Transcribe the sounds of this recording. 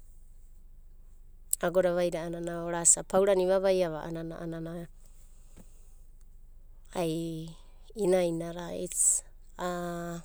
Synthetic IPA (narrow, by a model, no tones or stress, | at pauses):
aɡoɾaβajɾaːnanaoɾasapʰawɾaniβaβajaβaʔa̰nana̰ʔanana | aj | inajnaɾaḭt͡s | a